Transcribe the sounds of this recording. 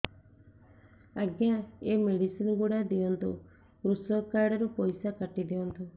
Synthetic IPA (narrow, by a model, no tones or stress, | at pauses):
aɡjaemeɽisinɡuɽad̪iɔnt̪ṵ | ɾusɔlkaɾɖɔɾupɔjsakaʈid̪iɔnt̪u